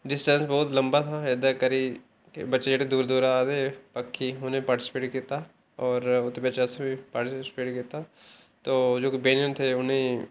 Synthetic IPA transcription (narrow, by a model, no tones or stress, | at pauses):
ɖɪsʈə̃nsbːʊt̪lɐ̃mbat̪ʰaed̪akɐɾi | kebɐtːʃed͡ʒaːɽed̪uːɾd̪oːɾaːd̪epɐkʰːiʊnẽpaːɾʈɪsɪ̥peːʈkiːt̪a | ɔːɾʊt̪ːebɐːt͡ʃasebʱipaːʈɪssɪ̥peːʈkiːt̪a | t̪oːd͡ʒoːkibẽːnənt̪ʰeʊnẽ